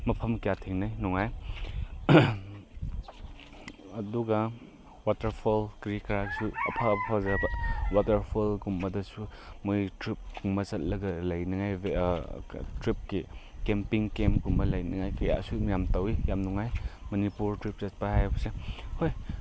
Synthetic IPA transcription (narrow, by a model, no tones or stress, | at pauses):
mɐpʰɐmkijatʰeŋnajnɔŋaj | ɐduɡɐ | watɐɾpʰulkɾikɾaɡisuɐ̰pʰapʰazabɐwatɐɾpʰulɡumbɐdɐsumojtɾip̚ɡuŋbɐsɐt̚lɐɡɐlɐjnɐŋaj | tɾip̚ki | kempiŋkempɡumbɐlɐjnɐŋajkɐja̰sumijamtɐwijamnuŋajmɐnipuɾtɾip̚sɐt̚pɐhajbɐsehoj